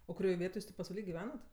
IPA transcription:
oː kʊˈrʲoːj ˈʋʲiɛtoːj ˈjuːs tʲeː pɐsʋɐˈlʲiː ɡʲɪˈʋʲæːnɐt

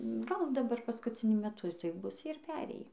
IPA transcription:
ˈɡɐlˠ dɐˈbɐr pɐskʊt͡sʲɪˈnʲʊ mʲɛˈtʊ tɐɪ ˈbʊs ˈjiɛ ɪr ˈpʲæːrʲeːjiː

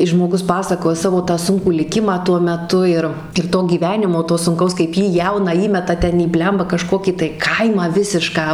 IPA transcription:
ɪs ʒmoːˈɡʊs ˈpɑːsɐkoːjɛ ˈsɑːʋoː tɑː ˈsʊŋkuː lʲɪˈkʲɪmɑː tuɔ mʲɛˈtʊ ɪr ɪr ˈtoː ɡʲiːˈʋʲæːnʲɪmoː ˈtoː sʊŋˈkɐʊs kɐɪp ˈjiː ˈjɛʊnɑː ˈiːmʲɛtɐ ˈtʲɛn iː ˈbʲlʲɛmbɐ kɐˈʃkoːkʲiː tɐɪ ˈkɐɪmɑː ˈʋʲɪsʲɪʃkɑː

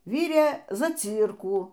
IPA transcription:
ˈʋʲiːrʲeː zɐˈt͡sʲiːrkuː

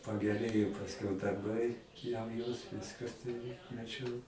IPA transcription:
pɐɡʲɛˈrʲeːjoː pɐsʲˈkʲɛʊ dɐrˈbɐɪ jɛʊ joːs ˈʋʲɪskɐ ˈtʊrʲɪ mɐˈt͡ʃʲɛʊ

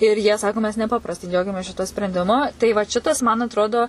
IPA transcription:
ɪr jiɛ ˈsɑːkoː mʲɛs nʲɛˈpɑːprɐstɐɪ ˈd͡ʒʲɛʊɡʲɛmʲeːs ˈʃʲɪtuɔ sʲpʲrʲɛnʲdʲɪˈmʊ tɐɪ ʋɐt ˈʃʲɪtɐs mɐn ɐtˈroːdoː

